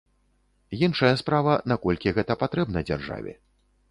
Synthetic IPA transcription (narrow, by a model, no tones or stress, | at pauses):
jinʂɐjɐspɾavɐnakɔlʲkʲiɣɛt̪ɐpat̪ɾɛbnɐd͡zʲa̰rʐa̰vʲɛ̰